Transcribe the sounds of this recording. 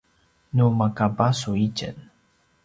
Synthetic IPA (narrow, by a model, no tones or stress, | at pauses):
numakabasuit͡ʃə̰n